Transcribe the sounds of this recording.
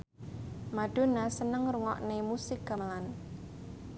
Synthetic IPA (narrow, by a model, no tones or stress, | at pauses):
maɖ̥o̤nasənəŋruŋɔ̰ʔnemusɪka̤məlan